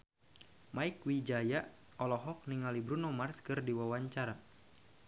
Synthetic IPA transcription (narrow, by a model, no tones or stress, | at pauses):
maikwid͡ʒaja | ɔlɔɦɔk̚niŋalibɾunɔmarskɨrdiwawaɲt͡ʃaɾa